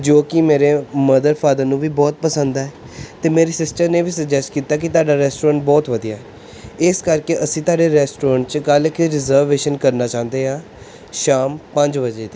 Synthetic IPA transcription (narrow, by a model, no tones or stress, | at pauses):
d͡ʒoːkɪmeːɾeːməd̪əɾpʰaːd̪ənũːʋiːbɔːt̪̚pəsə̃nd̪aːɛː | t̪eːmeːɾeːsɪsʈəɾneːʋiːsəkd͡ʒɛsʈkiːt̪aːk̬ɪt̪ʊaːɖaːɾɛːsʈoːɾə̃ɳʈ̚bɔːt̪ʋəd̪ijaːɛː | ɪskəɾkeːʔəsĩːt̪aːɖeːɾɛːsʈoːɾə̃ːɳʈ̚t͡ʃkəlɪkɾɪzəɾʋeːʃənkəɾnaːt͡ʃãːnd̪eːɦãː | ʃaːmpəɲd͡ʒʋəd͡ʒeːt̪ː